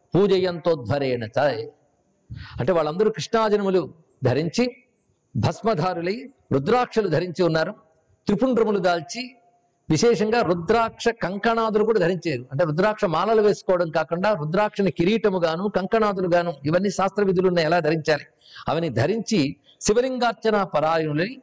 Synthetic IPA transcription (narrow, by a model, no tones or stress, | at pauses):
puːd͡ʒɐjɐnt̪oːd̪ʱʋɐɾɛːnɐt͡ʃae | ɐ̰ɳʈeːʋaːɭːɐnd̪ɐɾukɾiʂɳaːd͡ʒɐnɐmulu | d̪ʱɐɾiɲt͡ʃi | bʱɐsmɐd̪ʱaːɾulɐj | ɾud̪ɾaːkʂɐlud̪ʱɐɾiɲt͡ʃiunːaːɾu | t̪ɾipuɳɖɾɐmulud̪aːlt͡ʃi | ʋiʃɛːʂɐŋɡaːɾud̪ɾaːkʂɐkɐŋkɐɳaːd̪ulukuːɽaːd̪ʱɐɾiɲt͡ʃeːɾuɐɳʈeːɾud̪ɾaːkʂɐmaːlɐluʋeːsu̥kɔːʋɐɽɐmkaːkuɳɖaːɾud̪ɾaːkʂɐnɐkiɾiːʈɐmuɡaːnuːkɐŋkɐɳaːd̪uluɡaːnuiʋɐnːiʃaːst̪ɾɐʋid̪ʱulunːeɛlaːd̪ʱɐɾiɲt͡ʃaːli | ɐ̰ʋɐnid̪ʱɐɾiɲt͡ʃi | siʋɐliŋɡaːɾt͡ʃɐnaːpɐɾaːɾjɐnulɐni